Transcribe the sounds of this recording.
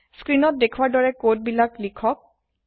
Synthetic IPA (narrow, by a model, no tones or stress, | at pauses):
skɹinɔt̚dekʰwaɹdɔɹɛkot̚bilaklikʰɔk̚